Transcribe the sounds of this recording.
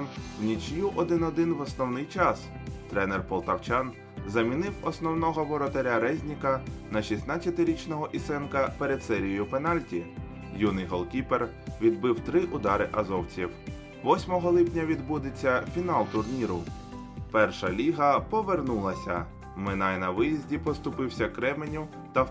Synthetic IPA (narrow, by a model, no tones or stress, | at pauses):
mwnʲit͡ʃjuʔɔd̪ɪnɔd̪ɪnʋɔsnɔwnɪjt͡ʃɑs | t̪ɾɛnerpɔlˠt̪ɐwt͡ʃɑn | zɐmʲinɪwɔsnɔwn̪ɔɦɔʋɔɾɔt̪eɾʲaɾɛzʲnʲikɐnɐʃʲisnɑt͡sʲjɐt̪ɪɾʲit͡ʃnɔɦɔʔisɛnkɐpeɾed̪sɛɾʲijʊpenɑlʲtʲi | junɪjɦɔlˠkʲiper | ʋʲid̪̚bɪwt̪ɾɪʔʊd̪ɑɾɪʔɐzɔwt͡sʲiw | ʋɔsʲmɔɦɔlˠɪpnʲɐʋʲid̪bud̪et͡sʲːɐfʲinɑlˠt̪ʊrnʲiɾʊ | pɛrʃɐlʲiɦɐpɔʋernulˠɐsʲɐ̰ | mɪnɑjnɐʋɪjizʲdʲipɔst̪ʊpɪwsʲɐkɾɛmenʲʊ | t̪ɐ